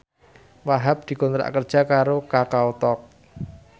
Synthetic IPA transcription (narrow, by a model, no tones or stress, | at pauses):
waɦap̚d̪̥i̤kɔnt̪ɾa̰ʔkərd̥ʒ̥a̤kaɾokakaot̪ɔk̚